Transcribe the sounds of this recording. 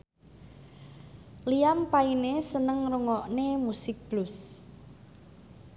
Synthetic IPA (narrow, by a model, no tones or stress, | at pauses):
lijampainesənəŋruŋɔʔnemusɪk̚b̥lʊs